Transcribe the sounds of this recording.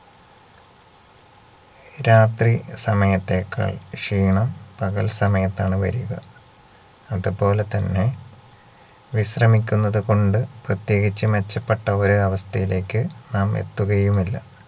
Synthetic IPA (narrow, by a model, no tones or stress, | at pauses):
ɾaːt̪risɐmɐjɐt̪ːe̞ːkːa̰ːɭʂiːɳɐmpɐɣɐlsɐmɐjɐt̪ːaːɳɨʋɐ̰ɾuɣɐ̰ | ɐðupo̞ːle̞t̪ɐnːe̞ | ʋiɕrɐmikʲːunːɐðɨko̞ɳɖɨprɐt̪je̞ːɡit͡ɕːɨme̞t͡ɕːɐpːeʈːɐoɾuɐʋɐst̪ʰɐjile̞ːkːɨnaːmḛt̪ːuɣɐjumilːɐ̰